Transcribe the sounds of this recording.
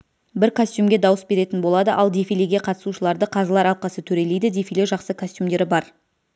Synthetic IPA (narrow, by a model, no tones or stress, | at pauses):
bɪɾkʰosʲt̪ʲjumɡʲe̞d̪ɑwəsbe̞ɾe̞t̪ɪnbolˠɑd̪əʔɑlˠd̪efileɡʲe̞qʰɑt̪ə̥suʃəlˠɑɾd̪əqʰɑzəlˠɑɾɑlˠqɑsət̪ʰɵɾe̞lejd̪ɪd̪e̞fileʒɑqsəkʰosʲt̪jumd̪e̞ɾɪbɑɾ